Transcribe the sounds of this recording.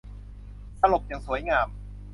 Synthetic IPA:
sa˧lo˨˩p̚ja˨˩ŋsu˩˦əjŋaː˧m

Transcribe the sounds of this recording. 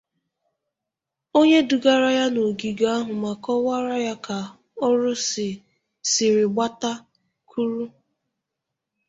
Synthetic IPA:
o˦ɲe˦du˨ɡa˦ɾa˦ja˦no˨ɡi˨ɡa˨a˦ɦʊ˨ma˨kɔ˦wa˦ɾa˦ja˦ka˨ | ɔ˦ɾʊ˦sɪ˨ | sɪ˨ɾɪ˨ɡ͡ba˦ta˦ | kʰu˦ɾu˦

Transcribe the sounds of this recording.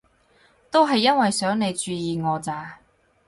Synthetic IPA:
t̪o˥wɦɐ˨jːɐ˥nwɐ˨jsœː˨˥ŋne˨˧jt͡ʃyː˧jiː˨ŋɔː˨˧t͡saː˨˧

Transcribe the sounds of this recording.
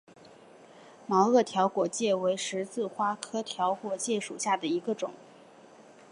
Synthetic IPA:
mɑ˧˥ʊɤ˥˩t̪ʰjɑ˧˥ʊkwɔ˨˩t͡ɕjɛ˥˩we˧˥ɪʂɻ̩˧˥t͡sɹ̩˥˩xwa˥kʰɤ˥t̪ʰjɑ˧˥ʊkwɔ˨˧t͡ɕjɛ˥˩ʂṵ˨˩ɕja˥˩d̪ə˩i˧˥ɡə˧ʈ͡ʂʊ̰˨˩˦ŋ

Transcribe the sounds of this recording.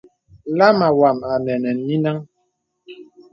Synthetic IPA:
la˦ma˨wa˨ma˨nɛ˨nɛ˨nːi˦na˦ŋ

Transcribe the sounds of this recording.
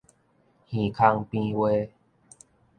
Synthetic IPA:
hĩ˨˩kʰa˧ŋpĩ˦we˦

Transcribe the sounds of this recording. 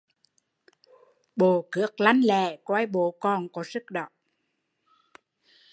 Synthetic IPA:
ɓo˨˩kɨ˨˥ək̚la˧ŋlɛ˧˨kwa˧jɓo˨˦kɔ˨˩nkɔ˨˦zɨ˦˥k̚ɗə̰˧˨ʔ

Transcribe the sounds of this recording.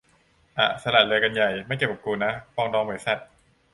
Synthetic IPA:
ʔa̰˨˩sa˧laː˨˩lɯ˧jka˧nja˨˩jma˥˩jt͡ɕa˨˩ka˨˩p̚kuː˧na˦˥fɔː˧ŋdɔː˧ŋbɯː˨˩˦jsa˨˩t̪̚

